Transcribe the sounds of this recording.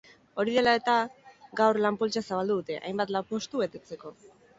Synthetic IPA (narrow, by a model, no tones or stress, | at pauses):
o̞ɾið̞e̞lae̞t̪aɡawɾlampolt͡ʃasaβald̪uðut̪e̞ʔa̰jmbat̪lapo̞st̪uβe̞t̪e̞t͡se̞ko̞